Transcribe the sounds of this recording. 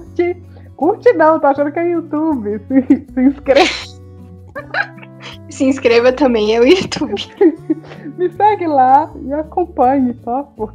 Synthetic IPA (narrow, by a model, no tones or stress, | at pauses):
t͡ʃɪ | kuɾt͡ʃɪnɐ̃w̃t̪aaʃɐ̃nd̪ʊkẽut̪ubɪsɪsɪĩskɾev | sɪĩskɾevɐt̪ɐ̃bẽj̃ɛwut̪ubɪ | mɪsɛɡɪlaɪakõpɐ̃ɲɪsɔpo